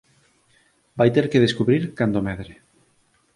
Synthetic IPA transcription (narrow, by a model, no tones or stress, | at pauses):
bajt̪eɾkeð̞eskuβɾiɾkand̪omeðɾe